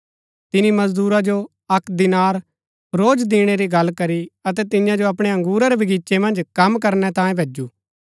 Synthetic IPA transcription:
t̪ɪnimɐzd̪uːɾad͡ʒo | ɐkd̪ɪnaːɾ | ɾoːd͡ʒd̪iːɽ̃eɾiɡɐlːkɐɾiɐt̪̬ɛt̪ɪjãd͡ʒoɐp̬ɽ̃eɐ̃ŋɡuːɾaɾebʱiɡiːt͡ʃemɐ̃nd͡ʒkɐmk̬ɐɾnɛt̪ãːjẽbʱeːd͡ʒuː

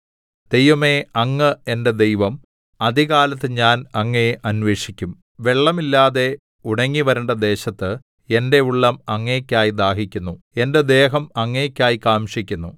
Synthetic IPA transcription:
d̪̥e̞jʋɐmeɐŋːɨe̞nde̞d̪e̞jʋɐm | ɐd̪ʱiɣaːlɐt̪ːɨɲaːnɐŋːɐjeʔɐnʋe̞ːʂikʲːum | ʋe̞ɭːɐmilːaːðe̞ | uɽɐŋːiʋɐɾeɳɖɐd̪e̞ːɕɐt̪ːɨ | e̞nde̞uɭːɐmɐŋːekʲːaːjid̪aːhikʲːunːu | e̞nde̞d̪e̞ːɦɐmɐŋːekʲːaːjikaːmʂikʲːunːu

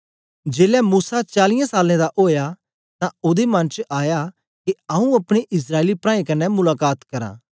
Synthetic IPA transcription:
d͡ʒeːlɛmuːsat͡ʃaːlɪjãsaːlẽd̪aʔoːja | t̪ãʊd̪emɐ̃nt͡ʃʔaːja | keɐũɐpɽ̃eʔɪs̬ɾaːeːlipɾãːĩkɐnːɛmʊlaːkaːt̪kɐɾã̰ː

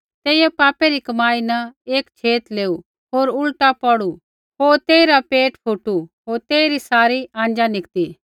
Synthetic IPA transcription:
t̪eːijɛpaːpeɾikɐmaːinɐeːkt͡ʃʰeːt̪leːu | ɦoːɾʊlʈapɔɽu | ɦoːɾt̪eːiɾapeːʈpʰuʈuɦoːɾt̪eːiɾisaːɾiãːn̆d͡ʒanɪkt̪iː

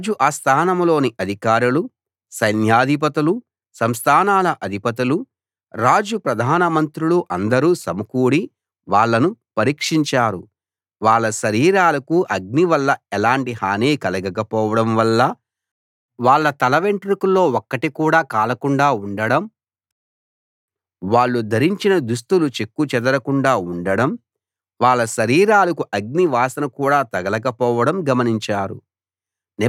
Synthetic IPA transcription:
d͡ʒuʔɐst̪ʰaːnɐmlo̞ːniʔɐd̪ʱikaːɾulu | sɐjnjaːd̪ʱip̬ɐt̪ɐlu | sɐmst̪ʰaːnaːlɐʔɐd̪ʱipɐt̪̬ɐlu | ɾaːd͡ʒupɾɐd̪ʱaːnɐmɐnt̪ɾuluʔɐnd̪ɐɾuːsɐmukuːɽi | ʋaːɭːɐnupɐɾiːkʂiɲt͡ʃaːɾu | ʋaːɭːɐʃɐɾiːɾaːlɐkuʔɐɡ̚niʋɐlːɐɛlaːɳʈihaːneːkɐlɐɡɐkɐpɔːʋɐɽɐmʋɐlːɐ | ʋaːɭːɐt̪ɐlɐʋeɳʈɾikulːo̞ːɔkːɐʈikuːɽaːkaːlɐkuɳɖaːuɳɖɐɽɐm | ʋaːɭːud̪ʱɐɾiɲt͡ʃinɐd̪us̬t̪ulut͡ʃekːut͡ʃɛd̪ɐɾɐkuɳɖaːuɳɖɐɽɐm | ʋaːɭːɐʃɐɾiːɾaːlɐkuʔɐɡ̚niʋaːsɐnɐkuːɽaːt̪ɐɡɐlɐkɐpɔːʋɐɽɐmɡɐmɐniɲt͡ʃaːɾṵ | n

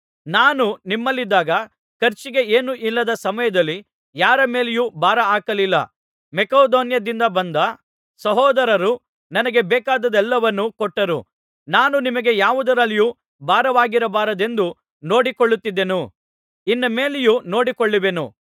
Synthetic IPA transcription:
naːnunimːɐlːid̪ːaːɡɐ | kɐɾt͡ʃiɡe̞eːnuʔilːɐd̪ɐsɐmɐjɐd̪ɐlːi | jaːɾɐme̞ːlejubʱaːɾɐaːkɐlilːɐ̰ | mɛkaːd̪oːnjɐd̪ind̪ɐbɐnd̪ɐ | sɐɦɔːd̪ɐɾɐɾu | nɐnɐɡe̞bɛːkaːd̪ɐd̪ɛlːɐʋɐnːukɔʈːɐɾṵ | naːnunimɐɡe̞jaːʋud̪ɐɾɐlːiju | bʱaːɾɐʋaːɡiɾɐbaːɾɐd̪e̞nd̪u | no̞ːɽikoɭːut̪ːid̪ːe̞nu | inːɐme̞ːlejuno̞ːɽikoɭːiʋe̞nṵ

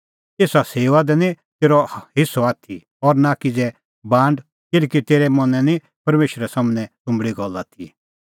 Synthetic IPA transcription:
eːsaseːʋad̪ɛnĩt̪eːɾɔɦɪsɔaːt̪ʰḭ | ɔɾnakid͡zɛ | bãːɳɖ | kɪlkit̪eːɾɛmɐnɛ̃ni | pɐɾmeːʃɾɛsaːmnɛ̃t̪ʊ̃mbɽiɡɔlːat̪ʰḭ

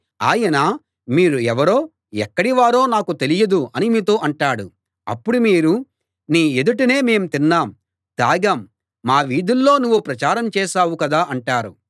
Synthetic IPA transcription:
aːjɐna | miːɾuɛʋɐɾo̞ː | ɛkːɐɽiʋaːɾo̞ːnaːkut̪elijɐd̪uɐnimiːt̪oːʔɐɳʈaːɽṵ | ɐ̰pːuɽumiːɾu | niːed̪uʈine̞ːme̞ːmt̪inːaːm | t̪aːɡɐmː | aːʋiːd̪ulːo̞ːnuʋːupɾɐt͡ʃaːɾɐmt͡ʃɛːʃaːwukɐd̪aːʔɐɳʈaːɾṵ

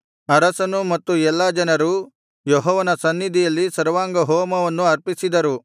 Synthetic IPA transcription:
ɐɾɐsɐnumɐt̪ːuɛlːɐd͡ʒɐnɐɾu | jɔɦɔːʋɐnɐsɐnːid̪ʱijɐlːisɐɾʋaːŋɡɐɦoːmɐʋɐnːuɐɾpisid̪ɐɾu

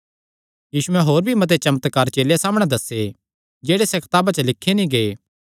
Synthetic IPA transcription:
jiːsuɛ̃ɦoːɾbʱimɐt̪̬et͡ʃɐmət̪kaːɾt͡ʃeːleasaːməɽ̃ed̪ɐse | d͡ʒeːɽesɛkʰɐ̥t̪aːbat͡ʃəlɪkʰːenĩɡe

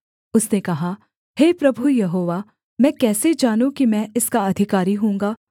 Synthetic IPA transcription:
ʊsnekɐɦa | heːpɾɐbʱujɐɦoːʋaː | mɛ̃ːkɛːsed͡ʒaːnũkimɛ̃ɪskaɐd̪ʱɪkaːɾiɦũːŋɡaː

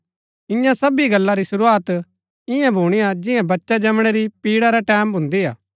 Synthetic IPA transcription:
ɪ̃jãsɐbiɡɐlːaɾisʊɾuaːt̪ | ɪjãbʱuːɽ̃ijad͡ʒɪjãbɐtːʃad͡ʒɐmɽ̃ɛɾipiːɽaɾaʈɛːmbʱʊ̃nd̪iɦaː

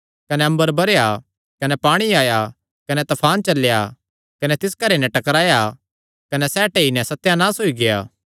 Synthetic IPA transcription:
kɐnɛɐ̃mbəɾbɐɾeja | kɐnɛpaːɽ̃iaːja | kɐnɛt̪ɐpʰaːnt͡ʃɐlːja | kɐnɛt̪ɪskɐɾenɛ̃ʈɐkɾaːja | kɐnɛsɛːʈeːinɛ̃sɐt̪ːjanaːsoiɡeja̰ː

